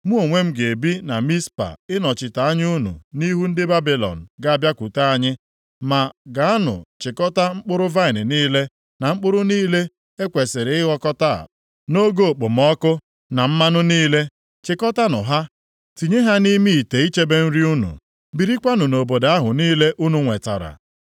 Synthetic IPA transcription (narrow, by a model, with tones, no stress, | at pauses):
mu˦o˨ŋʷe˦m̩˦ɡe˨bi˦na˨mi˦spa̰˨ɪ˦nɔ˨t͡ʃɪ˨ta˨a˦ɲ˦u˦nṵ˨ni˦ɦu˦n̩˦dɪ˦ba˦bi˨lɔ̰˨n̩˨ɡa˨a˦˨bja˦kʷu˨ta˦a˦ɲɪ˦ | ma˨ɡa˨a˦nʊ̰˨t͡ʃɪ˨kɔ˦ta˦ŋ͡m̩˦k͡pʊ˦ɾʊ˦va˦ɪ˨nɪ˨niː˦le˦ | na˨ŋ͡m̩˦k͡pʊ˦ɾʊ˦niː˦le˦ | e˦kʷe˨sɪ˨ɾɪ˨ɪ˦ɣɔ˦kɔ˦ta̰˦˨ | no˦ɡo˦˨k͡pʊ˨m˦ɔ˦kʊ˦ | na˨m̩˦ma˦nʊ˦niː˦le˦ | t͡ʃɪ˨kɔ˦ta˦nʊ̰˨ɦa˦ | ti˨ɲe˦ɦa˦ni˦mi˦i˨te˨i˦t͡ʃe˦be˦n̩˦ɾi˦u˦nṵ˨ | bi˨ɾi˦kʷa˦nʊ˨no˨bo˨da˦ɦʊ˨niː˦le˦ʔu˦nu˨ŋʷe˨ta̰˨ɾa̰˨